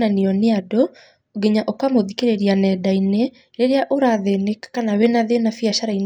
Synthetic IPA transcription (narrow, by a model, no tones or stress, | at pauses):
aniɔneado | oɡeɲaʔokamoðikeɾeɾianɛdaine | ɾeɾeaʔoɾaðenekkanawenaðenafiaʃaɾain